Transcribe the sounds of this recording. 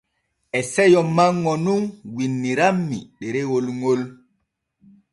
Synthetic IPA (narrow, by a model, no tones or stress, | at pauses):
ʔɛsɛjɔmːaŋːɔnunɡinːiɾamːiɗɛɾɛwolŋol